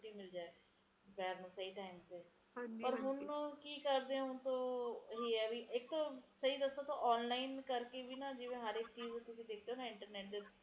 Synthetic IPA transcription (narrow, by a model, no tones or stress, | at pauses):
ʈiːmod͡ʒaːe | bɛːɾnũːsəiːʈaːimt̪eː | pəɾɦʊnːkiːkəɾd̪eõʊnt̪õːɦiːɛːʋiːʔɪk̚t̪õːsəiːd̪əsaːt̪õːʔɔːnlaːinkəɾkeːʋiːnaːd͡ʒɪʋẽːɦaːɾekt͡ʃiːzt̪ʊsĩːd̪eːk̚ʰd̪eoːnaːɪ̃ɳʈəɾnɛːʈ̚d̪e